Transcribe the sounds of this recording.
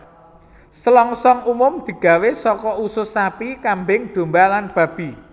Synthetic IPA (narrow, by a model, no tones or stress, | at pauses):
səlɔŋsɔŋumʊmd̪̥i̤ɡ̥a̤wesɔkɔusʊsapikambɪŋɖ̪̥o̤mbalanb̥ä̤b̥i̤